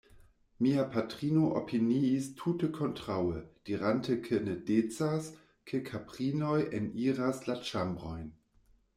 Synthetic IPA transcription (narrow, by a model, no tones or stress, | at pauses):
miapʰatʁinoʔo̰pʰiniːstʰutəkʰontʁawəd̥iʁantəkʰənədet͡sas | kʰəkʰapʁinojeniːʁaslat͡ʃambʁojn